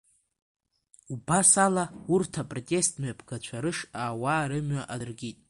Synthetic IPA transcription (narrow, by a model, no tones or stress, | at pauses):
ubasalaurtʰapʼro̞tʼe̞stʼmɥapʰɡat͡ʃʷʰaɾɨʂaːwaːɾɨmɥaʔarɡʲitʼ